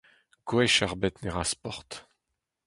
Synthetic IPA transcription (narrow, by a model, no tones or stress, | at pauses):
ɡ̥wɛʃaʁbɛt̪nɛʁãspɔʁt̪